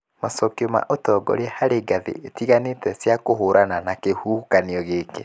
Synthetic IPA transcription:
masɔkiɔma̰ʔotɔːɡɔ̰ɾeɛhaɾeɡaðḛʔetiɣanetɛsjakoɦoɾananakehukaniɔɣeke

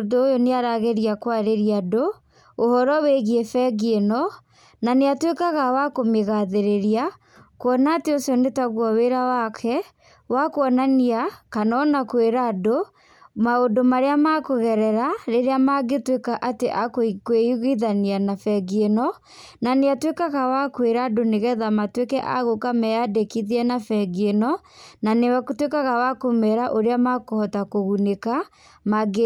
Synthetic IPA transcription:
doːjoneaɾaɣeɾiakwaɾeɾiado | ohɔɾɔweɣiefɛɣenɔ | naneatwekaɣawakomeɣaðeɾeɾia | kwɔnaːteosiɔnetaɣwaweɾawakʰɛ | wakoɔnaniakanɔnakoweɾado | maodomaɾeamakoɣɛɾɛɾaɾeɾeamaɡetwekaʔateʔakkweiɣiðanianafɛɡienɔ | naneatwekaɣawakweɾadoneɣɛðamatwekɛʔa̰ɣokamɛadekiðiɛnafɛɡienɔ | nanewatwekaɣawakomɛɾaʔoɾeamakohɔtakoɣuneka | maɡe

